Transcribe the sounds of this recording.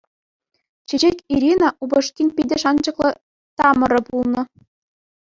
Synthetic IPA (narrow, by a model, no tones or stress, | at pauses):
t͡ɕĕd͡ʑekʲiɾʲinɑʔubɤ̆ʂkʲinʲpʲidʲɘ̆ʂɑnd͡ʑɤ̆klˠɤ̆ | t̪ɑmɤ̆ɾɤ̆pulˠnɤ̆